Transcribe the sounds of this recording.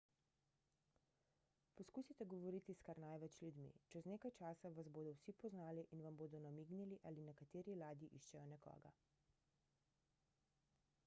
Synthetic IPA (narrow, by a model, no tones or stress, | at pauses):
pɔskuːsit̪ɛɡɔʋɔɾiːt̪iskaɾnajʋɛt͡ʃlʲjud̪mḭt͡ʃɛzneːkajt͡ʃaːsaʋazboːd̪ɔwsipɔznaːliʔinʋamboːd̪ɔnamiːɡniliʔaːlinɛkat̪eːɾilaːd̪jiʔiʃt͡ʃɛjɔnɛkɔ̰ːɡa̰